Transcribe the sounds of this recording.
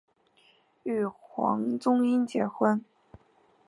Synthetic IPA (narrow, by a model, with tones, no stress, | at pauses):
y˥˩xwɑ̰˧˥ŋt͡sʊ˥ŋi˥nt͡ɕjɛ˧˥xwə˥n